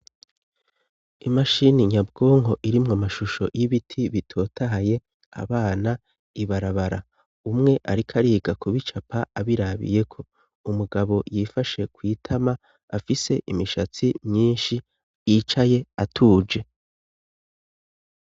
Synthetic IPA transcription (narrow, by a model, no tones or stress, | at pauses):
imaʃiniɲabɡo̞ːŋɦo̞ʔiɾimŋamaʃuʃo̞̰jiβitʰiβitʰo̞ːtʰaɦaje̞ | a̰βaːna | iβaɾaβaɾa | umŋe̞ʔaɾikʰaɾiːɡakʰuβit͡ʃapʰaaβiɾaβḭje̞kʰo̞ | umuɡaβo̞jiːfaʃe̞kwiːtʰama | afise̞ʔimiʃat͡simɲiːnʃi | jiːt͡ʃaje̞atʰuːd͡ʒe̞